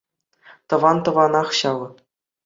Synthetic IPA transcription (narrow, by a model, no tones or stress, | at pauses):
t̪ɤ̆ʋɑnt̪ɤ̆ʋɑnɑχɕɑlɤ̆